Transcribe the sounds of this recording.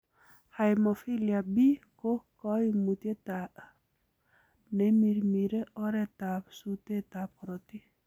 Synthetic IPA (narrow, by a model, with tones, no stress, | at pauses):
ha˨jmo˨fi˦lia˨bi˦ko˦kɔ˦i˦mu˨t̪je˦t̪a˨ʔ | ne˦mi˨ɾmi˨ɾe˦ʔɔ˦ɾɛ˦t̪a˨psu˦t̪e˦t̪a˨pɔɾo˨t̪i˦